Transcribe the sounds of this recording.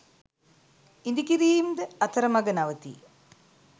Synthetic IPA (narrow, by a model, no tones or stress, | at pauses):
ind̪ikiɾiːmd̪əɐt̪ʰɐɾɐmɐɡɐnaʋət̪ḭ